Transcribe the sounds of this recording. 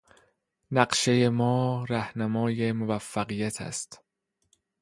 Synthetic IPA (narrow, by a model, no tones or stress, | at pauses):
næɢʃe̞je̞mɒːɾæhnæmɒːje̞movæfːæɣiːjæt̪ʰæ̰st̪